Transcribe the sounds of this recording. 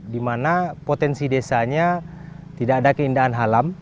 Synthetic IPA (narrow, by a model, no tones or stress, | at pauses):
dimanapot̪ɛnsidesaɲa | t̪idaadakəindaɦanɦalam